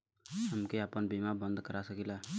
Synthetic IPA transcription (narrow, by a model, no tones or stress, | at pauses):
ɦəmkeapənbiːmabə̃nd̪kəɾasəkila